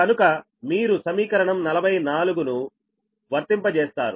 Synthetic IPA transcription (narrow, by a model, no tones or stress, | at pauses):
kɐnukɐ | miːɾusɐmiːkɐɾɐɳɐmnɐlɐbʱɐjnaːluɡunu | ʋɐɾt̪impɐt͡ʃeːst̪a̰ːɾu